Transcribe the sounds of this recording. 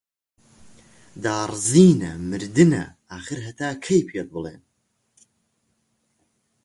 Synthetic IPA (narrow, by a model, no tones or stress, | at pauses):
d̪aːrˤziːnɐmɨɾd̪ɨnɐ̰ | aːxɨɾɦɐt̪ʰaːkʰɐjpʰet̪̚bɨlˠḛːn